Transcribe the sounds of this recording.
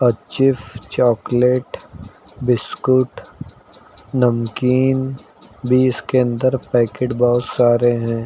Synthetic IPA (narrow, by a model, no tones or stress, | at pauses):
ɐt͡ʃɪft͡ʃɔːkleːʈ | bɪskʊʈ | nɐmkiːn | bʱiɪskeə̃nd̪əɾpɛːkeʈbɔɦʊt̪saːɾeɦɛ̃ː